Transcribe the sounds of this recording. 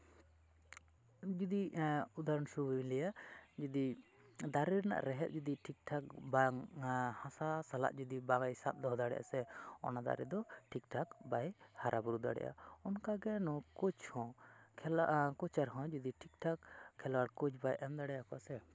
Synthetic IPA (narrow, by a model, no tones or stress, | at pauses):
d͡ʒid̪iud̪aɾɔnsubilɛjad͡ʒid̪i | d̪aɾiɾna̰ʔɾɛɦɛt̪̚d͡ʒid̪iʈʰik̚ʈʰak̚baŋhãsasala̰ʔd͡ʒud̪ibaŋajsat̪̚d̪ɔɦd̪aɽɛ̰jʔa̰sɛɔ̰nad̪a̰ɾɛ̰d̪ɔʈʰikʈʰakbajhaɾʔabuɾud̪a̰ɽɛ̰ʔa̰ɔnkaɡɛnɔkut͡ʃhɔ̃kʰkɔt͡ʃaɾɦɔ̃d͡ʒid̪iʈʰik̚ʈʰakʰːɛlwaɽkut͡ʃbajʔɛmd̪aɽɛjakɔasɛ